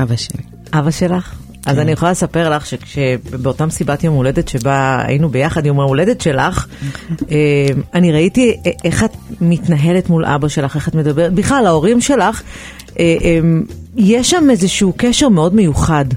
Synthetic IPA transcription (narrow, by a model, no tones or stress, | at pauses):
ab | ʔavaʃe̞laχ | ʔazanijeχolalesape̞ʁlaχʃekʃebeotamsibatiomule̞detʃe̞baa̰jinube̞jaχadjomaule̞detʃe̞laχ | emaniʁaitieχatmitnaɦe̞letmulʔa̰baʃe̞laχe̞χatme̞dabeʁetbiχlalao̞ʁimʃe̞laχ | ʔeʔemjeʃamezeʃuukeʃe̞ʁme̞o̞dmejuχad